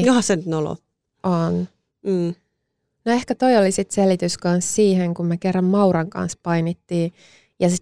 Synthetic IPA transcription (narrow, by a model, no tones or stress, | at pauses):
johɑsenyt̪nolo̰ | ʔon̩ː | noehkæt̪oijolisit̪selit̪yskɑnssiːheŋkummekerːɑmmɑuɾɑŋkɑ̰nspɑinit̪ːiː | jɑsi